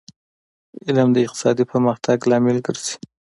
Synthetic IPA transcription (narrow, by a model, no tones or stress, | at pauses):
ɪlmd̪əɪq̚t̪ɪ̥sɑd̪ipəɾməxt̪ʰaɡlɑmɪlɡəɾz̥i̥